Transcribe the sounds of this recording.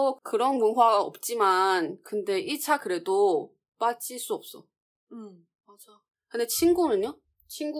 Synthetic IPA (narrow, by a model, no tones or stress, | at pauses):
kɯɾʌnmunɦwaɡaʌp̚t͡ɕ͈imankɯnde̞ʔit͡ɕʰakɯɾe̞do | p͈at͡ɕ͈iɭs͈uʌp̚s͈ʌ | mad͡ʑ | kɯndet͡ɕʰinɡunɯɲo | t͡ɕʰinɡu